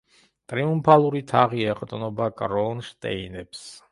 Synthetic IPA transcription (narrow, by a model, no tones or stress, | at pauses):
t̪ʼɾiumpʰalˠuɾit̪ʰaʁiɛqʼt̪ʼnɔbakʼɾɔnʃt̪ʼɛ̰inɛps